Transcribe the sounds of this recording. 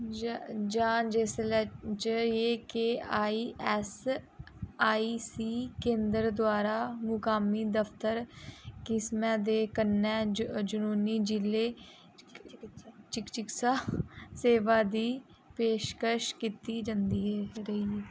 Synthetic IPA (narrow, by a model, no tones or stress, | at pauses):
d͡ʒaːnd͡ʒeslɛt͡ʃəɾeːkeaːiːɛs | aːiːsiːkẽːnd̪əɾd̪oaːɾaːmʊkaːmiːd̪əft̪əɾkɪsmɛ̃ːd̪eːkənɛːd͡ʒʊnuːniːd͡ʒɪleː | t͡ʃɪkt͡ʃɪksaseːʋaːd̪iː | peːʃkəʃkiːt̪iːd͡ʒãnd̪iːɛːɾəiː